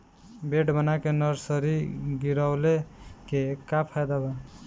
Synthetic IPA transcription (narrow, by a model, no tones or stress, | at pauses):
beʈbənakenʌɾsəɾiɡiɾaʊlekekapʰajd̪aba